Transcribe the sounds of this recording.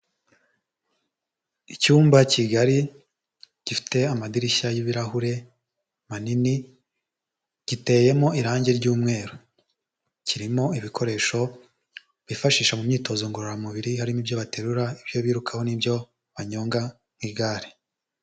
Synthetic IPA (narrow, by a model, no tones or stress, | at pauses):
icuːmbaciɡaɾi | ɟ̥ifi̥te̞amadiɾiçajiβiɾahuɾe̞ | manini | ɟ̥ite̞ːje̞mo̞iɾaːɲɟeɾɟuːmŋe̞ːɾo | ciɾimo̞iβikʰo̞ɾe̞ːʃo̞ | βifaʃiːʃamumɲiːto̞zoŋɡoɾoɾamuβiɾihaɾimibjo̞βate̞ɾuɾaibjo̞βiːɾukʰaho̞nibjo̞ | βaɲo̞ːŋɡa | ŋ̥wiɡaːɾe